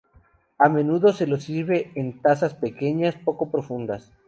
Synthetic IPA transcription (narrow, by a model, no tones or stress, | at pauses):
amẽ̞nuðo̞se̞lo̞siɾβe̞ent̪asaspe̞ke̞ɲaspo̞ko̞pɾo̞fũnd̪as